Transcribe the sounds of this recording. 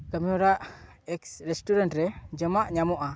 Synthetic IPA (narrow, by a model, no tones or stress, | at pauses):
kəmiɔɾaʔ | ɛksɾɛsʈuɾantɾɛd͡ʒəmaʔɲamɔʔa